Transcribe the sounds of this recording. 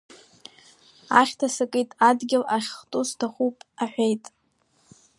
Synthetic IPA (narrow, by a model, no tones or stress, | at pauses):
aχʲtʰasɨkʼijtʼadɡʲɪlaχʲχtʼustʰaχupʼaħʷᶣejtʼ